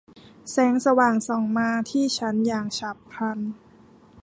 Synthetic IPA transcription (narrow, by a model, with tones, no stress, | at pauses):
sɛː˦˥ŋsa˧waː˨˩ŋsɔː˨˩˦ŋmaː˧t̪ʰiː˥˩t͡ɕʰa˦˥njaː˨˩ŋt͡ɕʰa˨˩pʰːa˧n